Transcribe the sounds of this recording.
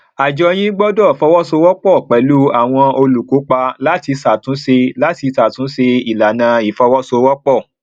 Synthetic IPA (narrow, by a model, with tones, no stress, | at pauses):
a˨d͡ʒɔ˧j̃ĩ˦ɡ͡bɔ˦dɔ˦˨fɔ˧wɔ˦so˧wɔ˦k͡pɔ˦˨k͡pɛ˨˦lu˦a˨w̃ɔ̃˧o˧lu˨ko˨˦k͡pa˧la˦ti˧sa˨tũ˨˦se˧la˦ti˧sa˨tũ˨˦se˧i˨la˨nã˧i˨fɔ˧wɔ˦so˧wɔ˦k͡pɔ˦˨